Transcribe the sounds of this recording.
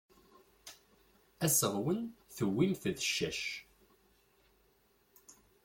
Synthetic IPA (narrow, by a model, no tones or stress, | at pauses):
æsəʁwənθəwːimθðəʃːæʃ